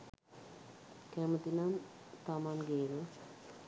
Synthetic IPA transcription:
kæmət̪inamt̪amanɡenə

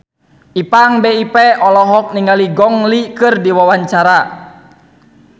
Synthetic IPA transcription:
ʔipaŋbɛipɛɔlɔɦɔk̚niŋaliɡɔŋlikɨrdiwawaɲt͡ʃaɾa

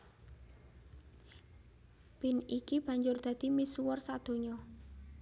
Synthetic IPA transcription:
pinikib̥ä̤ɲd͡ʒʊrd̪̥a̤d̪̥i̤misuwɔrsad̪̥o̤ɲɔ

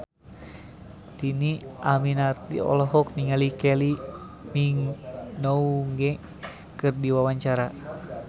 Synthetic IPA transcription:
diniʔaminart̪ḭɔ̰lɔɦɔk̚niŋalikɛli | miŋnouŋɡɛ | kɨrdiwawaɲt͡ʃaɾa

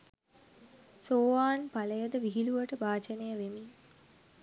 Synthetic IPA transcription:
soːʋaːnpaləjəd̪əʋiɦiluʋəʈəbaːt͡ʃənejəʋemi

